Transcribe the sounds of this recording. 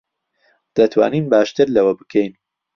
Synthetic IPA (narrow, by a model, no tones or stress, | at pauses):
d̪̥ɐt̪ʰwa̰ːniːnbaːʃt̪ɨɾlɐwɐbɨkʰejn